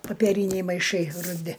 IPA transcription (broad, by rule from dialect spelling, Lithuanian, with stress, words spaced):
pɐpʲɛˈrʲiːnʲɛɪ mɐɪˈʃɐɪ rʊˈdʲɪ